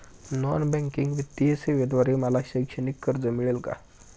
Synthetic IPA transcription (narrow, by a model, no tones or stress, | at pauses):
nɔnbɛ̃ŋkiŋɡʋit̪ːiɦəseʋed̪ʋaɾeməlaɕəjkʂənikːəɾd͡zəmiɭelka̰